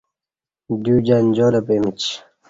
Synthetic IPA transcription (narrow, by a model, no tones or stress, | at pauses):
d̪uːd͡ʑand͡ʑoːlɐpemit͡ɕ